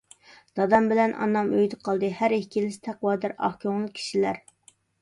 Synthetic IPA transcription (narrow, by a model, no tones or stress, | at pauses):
d̪̥ɑd̪ɑmbɪlɛnʔɑ̰nːɑmøjd̪ɨqʰɑlˠd̪ɨhæɾehkʲʰilɪsɪ̥t̪ʰɛqwɑːd̪æɾɑ̰hkʲʰoŋlˠɨkʲʰi̥ʃilæɾ